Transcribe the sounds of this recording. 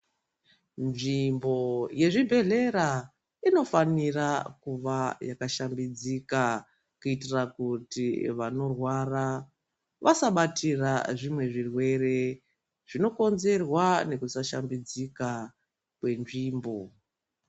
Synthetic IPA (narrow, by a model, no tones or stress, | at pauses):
nʐimbo̞je̞ʐibʱe̞ɮe̞ɾa | ino̞fanirakuʋajakaʃambid͡zika | kuitirakutiʋano̞rwara | ʋʔasaɓatʰiraʐimwe̞ʐirwe̞re̞ | ʐ̥ino̞ko̞nze̞rwane̞kusaʃa̰mbid͡zika | kwe̞nʐiːmbo̞